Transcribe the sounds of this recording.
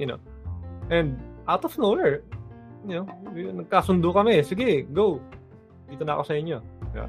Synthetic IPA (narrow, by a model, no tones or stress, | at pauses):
jɐno̰ | ʔɛnd̪̚ʔawt̪ɔfnoɛɹ | nonɐɡ̚kaːsʊnd̪ʊkɐmɛsɪɡɛɡow | d̪iːt̪onɐ̰ko̞sɐɪɲːo̞ɡa̰